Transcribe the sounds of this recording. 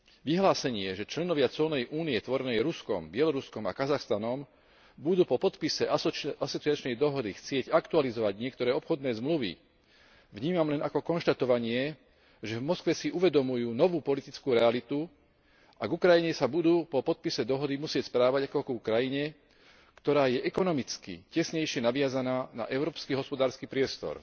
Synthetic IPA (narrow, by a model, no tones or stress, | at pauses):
ʋiɦlaːsɛɲɪɛʒɛt͡ʃlɛnɔʋɪat͡sʊɔlnɛjʔuːniɛt̪ʋɔɾɛnɛjɾuskɔ̰mbɪɛlɔɾuskɔma̰kazaxst̪anɔm | bud̪uːpɔpɔt̪pisɛasɔt͡siat͡ʃnɛjd̪ɔɦɔd̪ixt͡sɪɛɟakt̪ualizɔʋaɟɲɪɛkt̪ɔɾɛːɔpxɔd̪nɛːzmluʋḭ | ʋɲiːmamlɛnakɔkɔnʃt̪at̪ɔʋaɲɪɛ | ʒɛvmɔskʋɛsiʔuʋɛd̪ɔmujuːnɔʋuːpɔlit̪it͡skuːɾɛalit̪u | aɡukɾajiɲɛsabud̪uːpɔpɔt̪̚pisɛd̪ɔɦɔd̪imusɪɛcspɾaːʋaɟakɔɡukɾajiɲɛ | kt̪ɔɾaːjɛʔɛkɔnɔmit͡skḭcɛsɲɛjʃɪɛnaʋɪazanaːna̰ʔɛʊɾɔːpskiɦɔspɔd̪aːɾskipɾɪɛst̪ɔ̰ɾ